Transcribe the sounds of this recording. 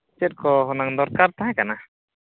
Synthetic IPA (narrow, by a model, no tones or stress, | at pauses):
t͡ʃet̚kɔɦɔnaŋd̪ɔɾkaɾt̪aɦãkana